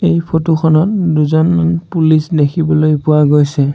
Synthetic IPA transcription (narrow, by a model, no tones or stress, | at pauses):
ejpʰotuxʰɔnɔt̚duzɔnmanpulisdekʰibɔlojpʊwaɡojsɛ